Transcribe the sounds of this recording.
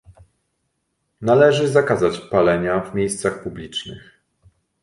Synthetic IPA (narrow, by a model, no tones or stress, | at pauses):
nalɛʐɘzakazat͡ɕpalɛɲavmʲjejst̪saxpublʲit͡ʂnɘ̰x